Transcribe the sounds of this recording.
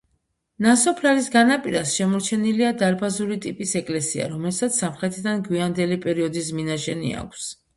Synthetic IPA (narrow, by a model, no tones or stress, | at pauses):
nasɔpʰɾaɾisɡanapʼiɾasʃɛmɔɾt͡ʃʰɛniliad̪aɾbazuɾit̪ʼipʼisɛkʼlɛsia̰ɾɔmɛlsat̪sʰsːamχɾɛt̪ʰid̪anɡwiand̪ɛlipʼɛɾiɔd̪isminaʃɛnḭa̰kʷʰs